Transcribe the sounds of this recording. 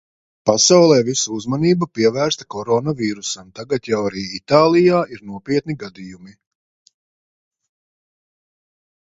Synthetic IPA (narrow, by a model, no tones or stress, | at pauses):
pasawlˠɛːvisuuzmaniːbapiɛvæːɾst̪ḁkɔɾɔnaviːɾusamt̪aɡat̪jawaɾiːit̪aːlˠijaːʔiɾnuɔpiɛt̪niɡad̪ijumi